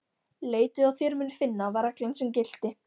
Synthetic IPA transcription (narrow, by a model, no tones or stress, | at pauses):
leːjt̪ʏawθjœɾmɪnʏ̥ɾ̥fɪnːaɔvaɾaklœŋsɛmcɪl̥t̪ɪ